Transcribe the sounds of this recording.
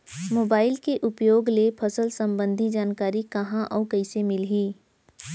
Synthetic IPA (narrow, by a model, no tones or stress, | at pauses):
moːbaːɪlkeʔʊpjoːɡlepʰɐsəlsɐ̃mbə̃nd̪ʱid͡ʒaːnkaːɾikɐɦãʔɔːɾkɐɪsemɪlɦiː